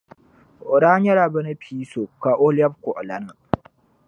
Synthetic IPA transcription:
ʔʊ˨ɽa˦ɲɐ˦ɾa˨bɐ˦na˦ɸʰiː˦so˨kːa˨ʔo˦lɪ˦a˦b̚ko˨ʔa˨la˨na˦˨

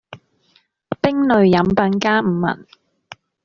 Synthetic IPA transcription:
pɪ˥ŋnɵ˨ɥjɐ˨˥mpɐ˧nkaː˥m̩ː˨˩mɐ̰˨˩n

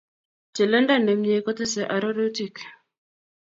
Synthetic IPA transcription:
t͡ʃɛ˨lɛ˦nda˦nɛ˨mɲe˨˦kɔ˦t̪ɛ˦sɛ˨ʔa˨ɾɔ˦ɾɛ˦ti˨k

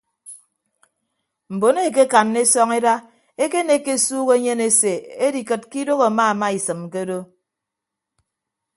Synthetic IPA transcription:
m̩˨bo˨ne˦˨k̬e˦ka˨nːe˦sɔ˦ŋe˦da˦ | e˦ke˦ne˦ke˦suː˦ɣe˦ɲe˦ne˦se˨e˦di˨kɨ˨t̚ki˦do˦ɣo˨a˨ma˦˨ma˦i˨sɨ˨mke˦do˦

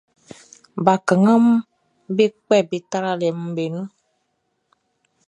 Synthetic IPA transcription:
ba˨kə˨ŋə˦m˦ | be˦kɛ˦˨bi˦ta˦ɾa˦lɛ˨m̩˦be˨nu˦

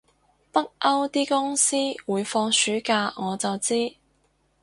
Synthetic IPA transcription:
pɐ˥k̚ʔɐ˥wt̪iː˥kʊ˥ŋsiː˥wuː˨˧jfɔː˧ŋsyː˨˥kaː˧ŋɔː˨˧t͡sɐ˨wt͡siː˥

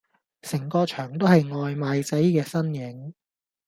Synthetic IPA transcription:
sɪ˨˩ŋkɔː˧t͡ʃʰœː˨˩ŋt̪o˥whɐ˨jŋɔː˨jmaː˨˧jt͡sɐ˨˥jkɛː˧sɐ˥njɪ˨˥ŋ

